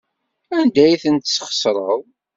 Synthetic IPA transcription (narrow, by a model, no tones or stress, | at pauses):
ænd̪æjθənt̪sːχə̥sɾˤəðˤ